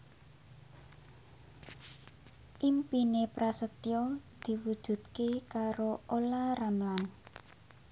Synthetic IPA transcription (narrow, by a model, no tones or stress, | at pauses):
ʔimpinepɾasət̪jɔd̪̥i̤wud̥ʒ̥ṳt̪̚kekaɾoolaramlan